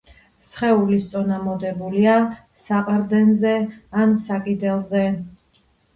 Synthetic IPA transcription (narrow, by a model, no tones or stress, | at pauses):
sχɛulist̪sʼɔnamɔd̪ɛbulia | saqʼɾd̪ɛnzɛansakʼid̪ɛlˠzɛ